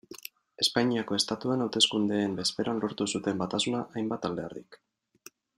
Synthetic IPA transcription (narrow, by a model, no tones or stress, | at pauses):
e̞spaɲiako̞e̞st̪at̪uenawt̪e̞skund̪e̞ːmbe̞spe̞ɾanlo̞ɾt̪usut̪e̞mbat̪asunaʔajmbat̪ald̪e̞a̰ɾðik